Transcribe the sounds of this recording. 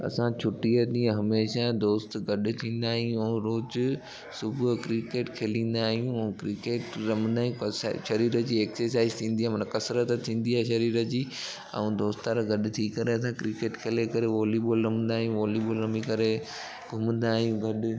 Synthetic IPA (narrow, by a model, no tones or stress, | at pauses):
ɐ̰sãt͡ɕʰʊʈijəɗ̪ĩːɦɐmeːʃad̪oːst̪ɡɐɗʊ̆t̪ʰĩːn̆d̪aːɦij̃ũɛ̃ɾoːd͡ʑʊ | sʊbʱʊkɾɪkeːʈkʰeːlĩːn̆d̪aːɦijũɛ̃kɾɪkeːʈɾɐmə̃nd̪aːɦijũɐ̰ʃɐɾiːɾəd͡ʑiːeːksəɾs̬aːɪzt̪ʰĩːnd̪iamɐnəkɐsɾət̪t̪ʰĩːn̆d̪iɦaːʃɐɾiːɾəd͡ʑiː | ɐ̰ũd̪oːst̪aɾɡʱɐɗʊt̪ʰikɐɾeɐsãkɾɪkeːʈkʰeːlekɐɾeʋoːlibolɾɐmnd̪aːɦijũʋoːlibolɾɐmikɐɾe | ɡʱʊmə̃nd̪aːɦijũɡʱɐɗʊ̆